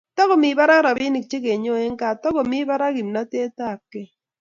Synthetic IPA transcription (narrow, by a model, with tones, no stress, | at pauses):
tɔ˦ko˨mi˨˦ba˦ɾa˦ɾa˨bi˦ni˨k̚t͡ʃe˦ke˨ɲo˦e˦ŋ˦ka˦˨tɔ˦ɡo˨mi˦ba˦ɾa˦ɡi˨mna˦te˦ta˦˨kːe˦